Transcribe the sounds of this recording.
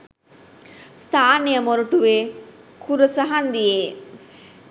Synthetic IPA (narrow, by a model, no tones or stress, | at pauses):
st̪ʰaːnejəmoɾuʈuʋeːkʰuɾəsəɦand̪ijeː